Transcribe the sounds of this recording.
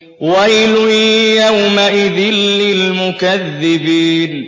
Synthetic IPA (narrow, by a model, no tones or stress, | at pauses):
walʊjjawmaʔɪðɪlːɪlmʊkaðːɪbiːn